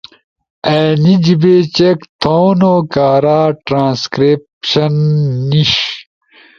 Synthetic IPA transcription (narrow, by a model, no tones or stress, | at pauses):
eːnid͡ʑibet͡ɕekt̪ʰownokaːɾaːʈɾãːnskɾepɕɐnːiɕ